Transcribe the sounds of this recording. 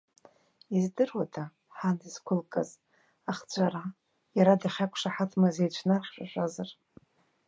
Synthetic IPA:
izdɨrwatʰʼa | ħadɨz̥kʷʰʊlkʼaz | aχd͡ʒʷʰʼaɾa | jaɾadaχʲakʷʰʂaħatʼmazejt͡ʃʷʰnarχʲʂʷʼaʒʷʼazar

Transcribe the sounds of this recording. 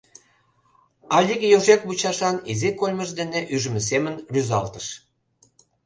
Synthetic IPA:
ɑlʲikjoʒekβut͡ɕɑʃɑnizikolʲməʒd̪eneʔyʒə̆mĕs̬emənryzɑ̰lt̪ə̥ʃ

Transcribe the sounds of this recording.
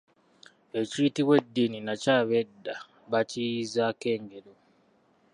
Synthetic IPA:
e̞citiβwe̞dːininacaːβedːa | βacijizake̞ːŋɡeɾo

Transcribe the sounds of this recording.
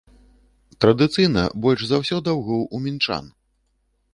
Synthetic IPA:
t̪ɾɐd̪ɨt̪sɨjnɐ̰bɔlʲʂzawsʲɔd̪awɣɔwumʲint͡ʂa̰n

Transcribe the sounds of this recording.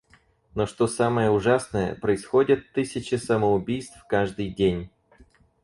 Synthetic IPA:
noʂt̪o̞saməjəʊʐasnəjə̰pɾəɪsxodʲɪt̪ːɨsʲɪt͡ɕɪsəməʊbʲijst̪fkaʐd̪ɨjdʲenʲ

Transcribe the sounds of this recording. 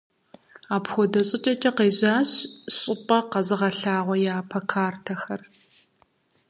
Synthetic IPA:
aːpxʷɔdɐɕʼɪt͡ʃʼɐt͡ʃʼɐqeːʑaːɕɕʼɪpʼɐqɐzɨʁɐɬaːʁʷɔjaːpʰɐkʰaːrtʰɐxɐr

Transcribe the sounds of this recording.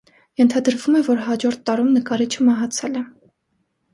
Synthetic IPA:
jɛnt̪ʰɑd̪əɾvumɛvɔɾɦɑd͡ʒɔɾt̪ːɑɾumnəkɑɾit͡ʃʰəmɑɦɑt͡sʰɛlɛ

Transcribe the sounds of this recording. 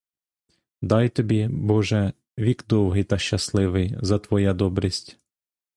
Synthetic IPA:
d̪ɑjt̪ɔbʲibɔʒɛ | ʋʲikd̪ɔwɦɪjt̪ɐʃt͡ʃɐslˠɪʋɪjzɐt̪ʋɔjad̪ɔbɾʲisʲtʲ

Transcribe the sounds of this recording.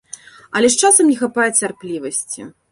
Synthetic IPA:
ɐlʲɛʂt͡ʂasɐmnʲɛxapajɛt͡sʲarplʲivɐsʲt͡sʲḭ

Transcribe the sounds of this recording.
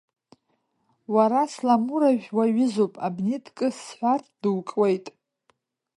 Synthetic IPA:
waɾaslamuɾaʒᶣwaɥɪzopʼa̰bnetʰʼkʼɨsħʷard̥ɨwkʼwejtʼ

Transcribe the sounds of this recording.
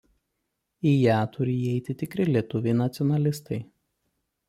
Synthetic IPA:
ijæːt̪ʰʊɾʲɪiɛɪt̪ʲɪt̪ʲɪkɾʲɪlʲiɛt̪ʊʋʲɛɪnɐt̪sʲɪɔnɐlʲɪst̪ɐɪ

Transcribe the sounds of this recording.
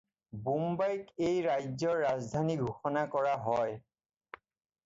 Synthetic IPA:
bumbajkejɹajzɔːazdʱaniɡʱuxɔnakɔɹaɦɔj

